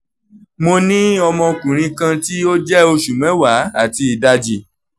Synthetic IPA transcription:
mo˧nĩ˦ɔ˧mɔ̃˧kũ˨ɾ̃ĩ˧kã˧ti˦o˦d͡ʒɛ˦o˧ʃu˨mɛ̃˨˦wa˨˦a˦˨ti˧i˨da˧d͡ʒi˨

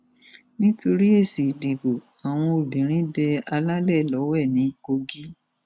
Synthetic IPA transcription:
nĩ˦to˧ɾi˦e˦˨si˨dĩ˨bo˨ | a˨w̃ɔ̃˧o˨bĩ˨˦ɾ̃ĩ˦bɛ˧a˧la˦lɛ˦˨lɔ˨˦wɛ˦˨nĩ˨˦ko˧ɡi˦

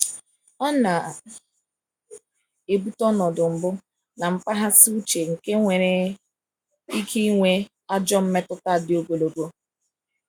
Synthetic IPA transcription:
ɔ˦na˨ | e˨bu˦tɔ˦nɔ˨dʊ˨m̩˨bʊ˦ | na˨m̩˦pa˦ɦa˦sɪ˦u˦t͡ʃe˨ŋ̩˨ke˦ŋʷe˨ɾe˨ | i˦kʰi˦i˦ŋʷe˦ | a˦d͡ʒɔ˦m̩˦me˦tʊ˦ta˦˨dɪ˨o˦ɡo˨lo˨ɡo˦

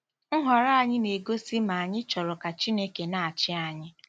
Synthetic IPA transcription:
ŋ̩˦ɦɔ˨ɾa˦a˦˨ɲɪ˦ne˨ɡo˦si˦ma˨a˨ɲɪ˦t͡ʃɔ˨ɾɔ˨ka˨t͡ʃi˦ne˦ke˨na˨a˨t͡ʃɪ˦a˨ɲɪ˦

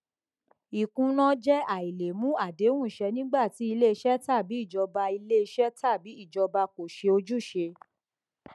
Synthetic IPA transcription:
i˨kũ˧nɔ̃˦d͡ʒɛ˦a˨i˨le˨mũ˨˦a˦˨de˨˦w̃ũ˦˨ʃɛ˧nĩ˦ɡ͡ba˦˨ti˨˦i˧le˦˧ʃɛ˦ta˦˨bi˨˦i˦˨d͡ʒɔ˧ba˧i˧le˦i˧ʃɛ˦ta˦˨bi˨˦i˦˨d͡ʒɔ˧ba˧ko˨ʃe˧o˧d͡ʒu˦˨ʃe˧

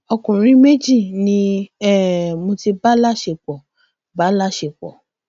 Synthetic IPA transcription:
ɔ˧kũ˨ɾ̃ĩ˦me˦d͡ʒi˦˨nĩ˦ɛ˦˨mo˧ti˧ba˦la˦ʃe˨k͡pɔ˨ | ba˦la˦ʃe˧˨k͡pɔ̰˨

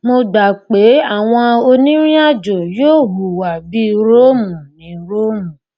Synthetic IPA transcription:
mo˧ɡ͡ba˨k͡pe˨˦a˦˨w̃ɔ̃˧o˧nĩ˦ɾ̃ĩ˦a˦˨d͡ʒo˨joː˦˨ɦu˨wa˨bi˦ɾo˦mũ˨nĩ˨˦ɾo˦mũ˨

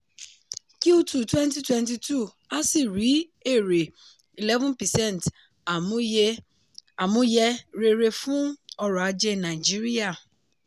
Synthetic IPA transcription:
ki˦u˦tu˨twɛ̃˦nt̬i˦twɛ̃˦nt̬i˨tʰu˦˨ | a˦si˦˨ɾi˨˦e˦˨ɾe˨ | i˨lɛ˦vũ˦npɛ˨sɛ̃˦˨nt | a˨mũ˦jɛ˦˧ɾe˦ɾe˧fũ˦ɔ˧ɾɔ˨a˨˧d͡ʒe˦nã˨d͡ʒi˦ɾi˦a˦˨

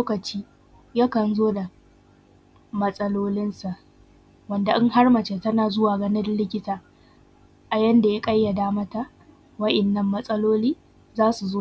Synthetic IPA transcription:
loː˦kɐ˨t͡ʃiː˦ | ja˦kɐ˨nzoː˦da˨ | mɐ˦sʼɐ˦loː˦lɪ˦nsa˨ʔ | wɐ˦nda˨ʔɪ˦ŋha˦rmɐ˨t͡ʃe˨tɐ˦naː˨zʊ˦waː˨ɡɐ˦nɪ˦dlɪ˦kʲɪ˦taː˨ | ʔa˨jɐ˦nda˨ja˦kʼɐ˦jːa˨daː˦mɐ˦ta˨ | wɐ˦ʔɛ˨nːɐ˦mːɐ˦sʼɐ˦loː˦liː˦ | zaː˦su˨zoː˦

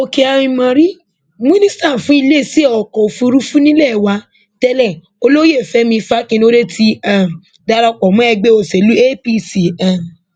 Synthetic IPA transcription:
o˧ke˧a˧ɾĩ˧mɔ̃˧ɾi˦ | mĩ˦nĩ˦sta˦˨fũ˨˦i˧le˦˨si˦ɔ˨kɔ˨o˨fũ˧˦ɾu˦fũ˦nĩ˦lɛ˦˨wa˧˦ | tɛ˧lɛ˦˨ | o˧lo˦je˦˨fɛ˨˦mĩ˧fa˦kĩ˧n˦o˦ɾe˦tʰi˦a˦˨m˨ | da˧˦ɾa˧k͡pɔ˨mɔ̃˨˦ɛ˧ɡ͡be˦o˨se˨lu˦e˦pi˦si˨ɛ˨n˨

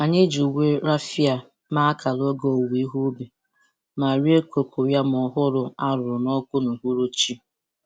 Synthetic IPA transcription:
a˨ni˦d͡ʒu˨we˦ɾa˦fi˦a˨ | ma˦ka˨lo˦ɡo˨wi˦ɦu˦be˨ | ma˨ɾi˦e˦kʷo˨kʷo˨ja˦m˨ɔ˨ɦʊ˦ɾʊ˨a˦ɾʊ˨ɾʊ˨nɔ˦kʷʊ˦nʊ˨ɦu˦ɾo˦t͡ʃi˦

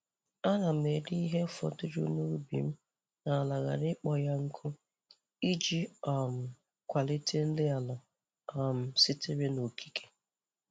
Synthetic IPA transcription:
a˦na˨m̩e˨di˦i˦ɦe˦fɔ̰˨tʊ˦ɾu˦nu˦ɾu˦bḭ˨m̩˦ | na˨la˨ɣa̰˨ɾɪ˦k͡pɔ˨ja˦ŋ̩˦kʰʊ˦ | i˦d͡ʒi˦a˨m̩˨ | kʷa˨li˦tʰe˦n̩˦lɪ˦a˨la˨ | a˨m̩˨sɪ˦tɪ˦ɾe˦no˨kʰi̥˦kʰe̥˨

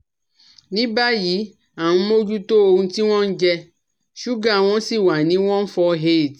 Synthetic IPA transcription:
nĩ˦ba˦ji˨˦ | a˨nũ˨˧˦mo˦d͡ʒu˦to˦o˧ũ˧ti˦w̃ɔ̃˦n̩˦d͡ʒɛ˧ | ʃu˦ɡã˦˨w̃ɔ̃˦si˦˨wa˨nĩ˨˦w̃ɔ̃˦n̩˦fɔ˧ɦe˦˨d

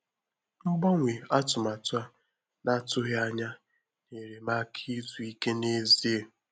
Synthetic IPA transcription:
ŋ͡m̩˦ɡ͡bɔ˦ŋʷe˨a˦tʊ˨ma˨tʊ˦a˦ | na˦˨tʊ˦ɦe˦a˦ɲa˦ | ne˨ɾe˨ma˦kʰi˦zu˨i˦ke˦ne˦zi˦e˨

